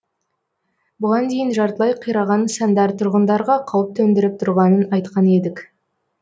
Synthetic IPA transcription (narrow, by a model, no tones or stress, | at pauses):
bʊʁɑnd̪e̞jɪnʒɑɾt̪əlˠɑjqʰijɾɑʁɑnsɑnd̪ɑɾt̪ʰʊɾʁənd̪ɑɾʁɑqʰɑwəp̚t̪ʰɵnd̪ɪɾɪp̚t̪ʰʊɾʁɑnənɑjt̪qɑne̞d̪ɪk